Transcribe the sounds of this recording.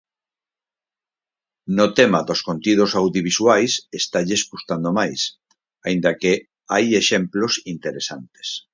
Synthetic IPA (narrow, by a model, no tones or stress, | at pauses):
not̪emaðoskont̪ið̞osawðjoβiswajsest̪aʎeskust̪and̪omajs | aind̪ake | ajeʃɛmplosint̪eɾesant̪e̥s